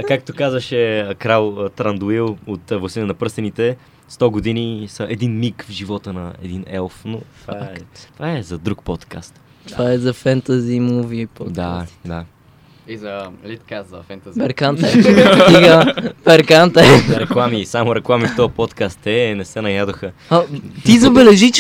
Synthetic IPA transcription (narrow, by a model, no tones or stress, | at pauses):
kakt̪okazvəʃɛkɾalˠət̪ɾɐnd̪uilˠot̪vlˠɐsinənɐpɾst̪ɛnit̪ɛ | st̪ɔɡod̪inisəʔɛd̪inmikvʒivɔt̪ənɐɛ̰d̪inɛlˠfnot̪vaaɛt̪vaɛzɐd̪ɾuk̚pɔt̪ka̰st̪ | t̪vaɛzɐfɛnt̪ɐzimovipotd̪aai̥d̪a | izɐlit̪kazɐfɛnt̪ɐpɛɾkant̪ɐsiɡapɛɾkant̪ɐɛɾɛklˠamisamoɾɛklˠamift̪ɔɐpɔt̪kast̪ɛnɛsɛnɐjad̪oxə | ɐt̪izɐbɛlɛʒit͡ʃ